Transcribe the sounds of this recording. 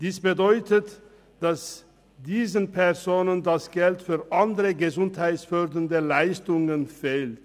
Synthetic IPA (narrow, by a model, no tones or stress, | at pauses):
d̥iːsb̥ədɔʏtʰət | d̥as | d̥iːzənpʰɛʁzoːnəndasɡ̥ɛltfyːʁʔandəʁəɡəzʊnthaɪtsfœʁdəndəlaɪstʊŋənfeːlt